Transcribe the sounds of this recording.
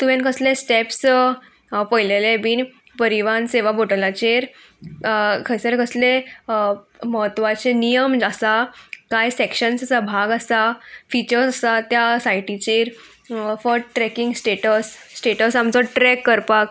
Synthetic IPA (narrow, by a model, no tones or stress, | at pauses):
t̪uʋẽnkəslesʈeps | pəjlelebiːn | pəɾiʋanseʋaboʈəlat͡ɕeɾ | kʰəjsəɾkəsle | məɦət̪ːʋat͡senijəmd͡ʑasakajsekɕənssabʱaɡasafit͡ɕəɾsəsat̪jasajʈit͡ɕeɾ | fɔɾʈɾɛkĩŋɡsʈeʈəsːʈeʈəsamt͡sɔʈɾɛkːəɾpak